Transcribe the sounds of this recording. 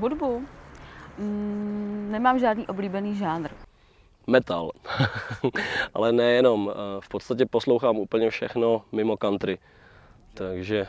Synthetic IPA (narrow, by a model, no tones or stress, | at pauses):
ɦudbu | nɛmaːmʒaːdniːʔobliːbɛniːʒaːd̪ɾ | mɛt̪a̰l | ʔa̰lɛnɛjɛno̞mfpot̪st̪acɛposlowxaːmʔuːpl̩ɲɛfʃɛ̰xno̞mɪmo̞kant̪ɾɪ | t̪aɡʒɛ